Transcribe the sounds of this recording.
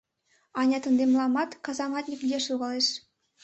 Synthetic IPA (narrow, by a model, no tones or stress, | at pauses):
ɑnʲɑt̪ɤ̆nd̪emlˠɑmɑt̪kɑzɑmɑt̪ʲnʲikʲdʲeʂulˠʁɑlʲˠeʂ